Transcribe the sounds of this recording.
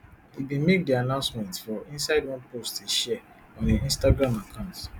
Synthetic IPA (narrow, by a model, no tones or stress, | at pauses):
ibĩmek̚dianãʊ̃nsmɛ̃ntfɔʔĩnsaɪdwɔ̃nposteʃɛ | ɔ̃niĩnstaɡɾãmakʰãʊ̃nt